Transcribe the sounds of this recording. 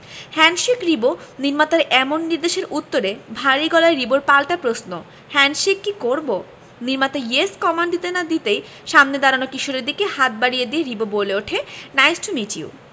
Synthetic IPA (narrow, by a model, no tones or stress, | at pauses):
hɛnʃikɾiboniɾmat̪aɾʔɛmonːiɾd̪eʃeɾut̪ːoɾebʱaɾiɡɔlaɾɾiboɾpalʈapɾosno | hɛnʃikːikoɾbo | niɾmat̪aeskɔmaɳɖd̪it̪enad̪it̪ej | ʃamned̪aɾanokiʃoɾeɾd̪ikehat̪̚baɽijed̪ieɾiboboleoʈʰenajsʈʰumit͡ɕḭṵ